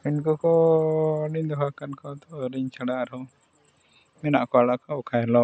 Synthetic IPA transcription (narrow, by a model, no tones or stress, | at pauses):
pinkɔkɔː | nid̪ɔɦakankɔt̪ɔɾiɲt͡ʃaɽaʔɾɔ | mɛnaʔkɔaɽakaɔkʰajlɔ